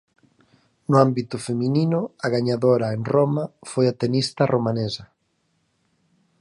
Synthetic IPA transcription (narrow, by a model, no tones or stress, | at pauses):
nʊambit̪ʊfemĩninʊaɣaɲaðoɾɐeŋromɐfojat̪enist̪ɐromanesɐ